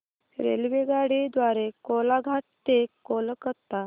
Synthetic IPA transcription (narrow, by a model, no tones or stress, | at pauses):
ɾḛlʋeɡaɽid̪ʋaɾekolaɡʱaʈ̚t̪ekoləkət̪a